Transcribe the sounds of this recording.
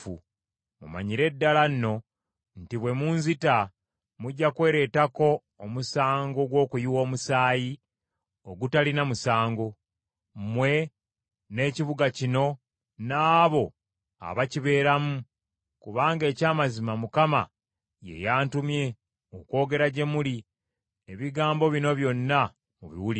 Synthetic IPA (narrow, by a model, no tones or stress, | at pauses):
u | mṵma̰ɲiɾe̞dːalanːo̞ | n̩tiβwe̞munzita | muɟːakwe̞ːɾe̞tako̞ː | musaːŋɡo̞ɡwo̞ːkujiwo̞ːmusaːji | oɡutalinamusaːŋɡo̞ | mwe̞ | ne̞ːciβuɡacino̞ | naːβo̞ | a̰βaciβe̞ːɾamu | kuβaːŋɡe̞ːcaːmazimamukama̰ | je̞̰jaːntumje̞ | oko̞ːɡe̞ɾaɟe̞muli | eβiɡaːmbo̞βino̞βjo̞nːa | muβḭwuli